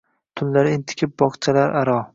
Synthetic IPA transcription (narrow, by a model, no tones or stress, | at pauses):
t̪ʰʊnlaɾɪɪnt̪ʰɪ̥kʲʰɪp̚bɒqt͡ʃʰalaɾaɾɒ